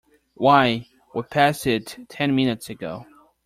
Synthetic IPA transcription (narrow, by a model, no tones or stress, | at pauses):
waɪ | wəd̚pʰæsɪtʰɛ̃nmɪ̃nɨtsɨɡoʊ